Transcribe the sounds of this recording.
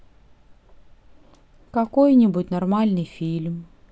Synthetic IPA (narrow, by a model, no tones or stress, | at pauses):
kɐkojnʲɪbʊtʲnɐrmalʲnɨjfʲilʲm